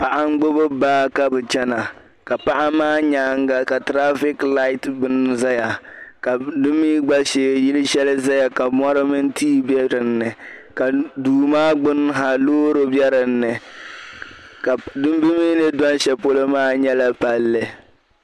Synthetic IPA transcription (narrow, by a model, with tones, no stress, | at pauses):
pa˨ʔa˦ŋ˦ɡ͡bo˦bʊ˦baː˦ka˦bɨ˨t͡ʃɛ˦na˨ | ka˨pa˦ʔa˦maː˦ɲa˦˨ŋ˦ɡa˦ka˨tɾa˦fɪ˦kla˦ɪ˦tbɨ˦n˦za˦ja˨ka˨dɨ˦miː˦ɡ͡ba˦ʃeː˨˦˨jɪ˦lɨ˦ʃɛ˦lɨ˦za˦ja˨ka˨mɔ˦ɾɨ˦mɨ˦n˦tʰiː˦bɛ˦ɾɨ˨nːɨ˨ka˨duː˨maː˦ɡ͡bʊ˦n˦ɦa˨loː˦ɾo˦bɛ˦ɾɨ˨n̩ːɨ˨ | ka˨dɨ˦m˦bi˦mi˦nɨ˦dɔ˦n˦ʃɛ˨po˦lo˦maː˦ɲɛ˦la˨pa˨lːɨ˨